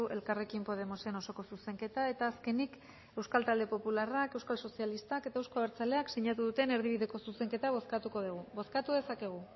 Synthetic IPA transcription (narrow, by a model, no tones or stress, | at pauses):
uʔe̞lkare̞kimpo̞ðe̞mo̞se̞no̞so̞ko̞suse̞ŋke̞t̪ae̞t̪aːske̞nik | e̞wskalt̪ald̪e̞po̞pularake̞wskalso̞sialist̪ake̞t̪aewsko̞aβeɾt͡sale̞aksiɲat̪uðut̪e̞ne̞ɾðiβ̞iðe̞ko̞suse̞ŋke̞t̪aβo̞skat̪uko̞ð̞uɣ̞uβo̞skat̪uðe̞sake̞ɣ̞u